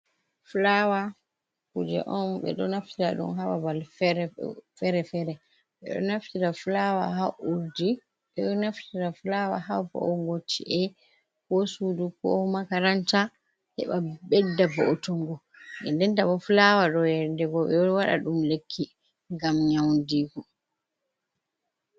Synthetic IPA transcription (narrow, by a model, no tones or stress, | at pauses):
flawa | kud͡ʒɛ̰ʔɔnɓɛ̰ɗɔnaftiɾaɗṵmɦawa̰balfɾɛfɛɾɛfɛɾɛ | ɓɛɗɔ̰naftiɾafulawa̰ɦaʔuɾdi | ɓɛɗɔnaftiɾaflawa̰habɔ̰ʔɔŋɡotʰːiʔɛ | kɔsudukɔ̰hmakaɾanta | hɛ̰ɓabɛdːabɔɔtoŋɡɔ | ʔɛndɛntabɔfulawaɗɔjɛdɛɡɔɓɛwaɗa̰ɗumlekʰːi | ŋɡamɲawndikɔ